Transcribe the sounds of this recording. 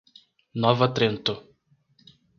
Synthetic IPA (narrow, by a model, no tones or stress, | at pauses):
nɔvɐt̪ɾẽnt̪ʊ